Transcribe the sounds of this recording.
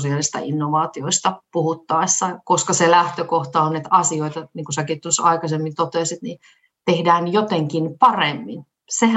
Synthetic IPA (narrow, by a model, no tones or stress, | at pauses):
siɑlist̪ɑ̰inːoʋɑːt̪ioist̪ɑpuhut̪ːɑisːɑkoskɑselæht̪økoht̪ɑonːet̪ɑsioit̪ɑniːŋkusɑkit̪ːusɑikɑsemːit̪ot̪eːˑsit̪ni | t̪ehdæːnjot̪eŋkinpɑremːin | seh